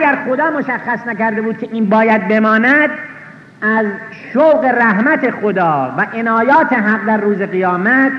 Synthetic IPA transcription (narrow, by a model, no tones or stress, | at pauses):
ʔæɡæɾχo̞d̪ɒːmoʃæxːæsnækæɾd̪e̞buːd̪̚kʲʰeʔiːnbɒːjæd̪̚be̞mɒːnæd̪ | æz | ʃowɢe̞ɾæɦmæt̪ʰe̞xod̪ɒːvæʔenɒːjɒːt̪ʰe̞ɦæɢd̪æɾruːzeɣijɒːmæt̪ʰ